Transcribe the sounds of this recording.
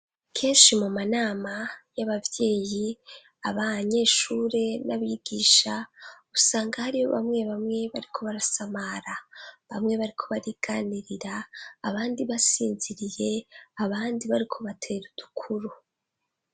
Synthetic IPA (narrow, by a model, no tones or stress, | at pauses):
kʰe̞ːnʃimumanaːmajaβavje̞ːji | aβaɲe̞ːʃuɾe̞naβiɡ̥iːʃausaːŋɡahaɾiho̞̰βa̰mŋe̞βamŋe̞βaɾikʰo̞βaɾasamaɾaβamŋe̞βaɾikʰo̞βaɾiːɡ̥aːniɾiɾaːβaːndiβasiːnziɾije̞aβaːndiβaɾikʰo̞βatʰe̞ɾud̥ukʰuɾu